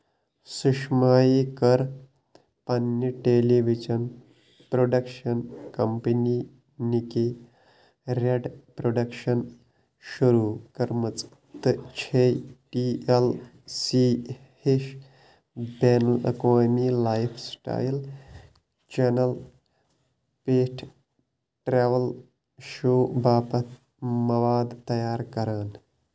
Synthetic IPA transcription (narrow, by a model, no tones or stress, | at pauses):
suʂmajikəɾ | pɐnjəʈeliʋit͡ʃən | pɾoɖɐkʂənkɐmpəni | nike | ɾeɖpɾoɖəkʂən | ɕuɾukɐɾmət͡s | t̪t͡ɕʰeʈiel | siː | heʃ | benlɐ̰koːmiːlaːjpʰsʈa̰ːjl | t͡ʃenɐl | peːʈʰ | ʈɾeːʋɐl | ʃoːbaːpɐt̪ | mɐʋaːd̪t̪ɐjaːɾkɐɾəːn